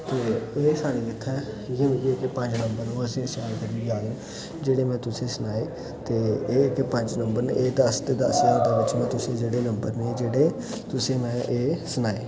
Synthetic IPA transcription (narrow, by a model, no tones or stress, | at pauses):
t̪eːeːsaːɽiːɪt̪ʰːɛː | jɪnkikepə̃ɲd͡ʒnəmbəɾnũːəsĩːsaːlkəɾiːaːlũː | d͡ʒeːɽeːmɛ̃ːt̪ʊsẽːsənaːeː | t̪eːeːkpəɲd͡ʒnəmbəɾnḛeːd̪əst̪eːd̪ə̰sd̪aːʋɪt͡ʃʰmɛ̃ːt̪ʊsẽːd͡ʒeːɽeːnəmbəɾneːd͡ʒeːɽeː | t̪ʊsẽːmɛ̃ːʔeːsʊnaːeː